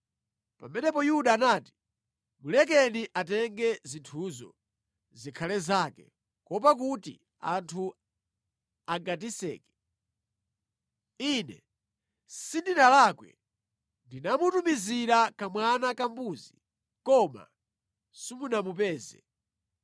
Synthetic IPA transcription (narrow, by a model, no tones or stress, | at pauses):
pa̰mɛnɛpɔjuɗaːnaːti̥ | mulɛk̬ɛniʔatɛŋɡɛzintʰuzɔ̰ | zikʰalɛzakɛ̰ | kɔp̬ak̬utḭ | a̰ntʰu | aɡatisɛ̰ːkɛ̥ | inɛ̰ | sindinalakwɛ̰ | ndinamutumiziɾakamwanakambuzi | kɔma̰ | simunamupɛːzɛ̰